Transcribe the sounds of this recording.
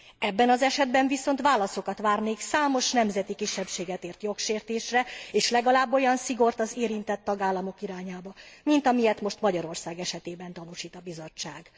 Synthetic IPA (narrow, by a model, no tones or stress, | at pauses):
ɛbːɛnɒzɛʃɛd̪bɛɱviso̞nt̪ʋaːlɒso̞kɒt̪ʋaːrneːksaːmo̞ʃnɛmzɛt̪ikiʃːɛpʃeːɡɛt̪eːrt̪jo̞kʃeːrt̪eːʃrɛeːʃlɛɡɒlaːbːo̞jɒnsiɡo̞rt̪ɒzeːɾint̪ɛt̪ːɒɡaːlːɒmo̞kiɾaːɲaːbɒmint̪ɒmijɛt̪mo̞ʃt̪mɒɟɒɾo̞rsaːɡɛʃɛt̪eːbɛnt̪ɒnuʃiːt̪ɒbizo̞t͡ʃːaːɡ̥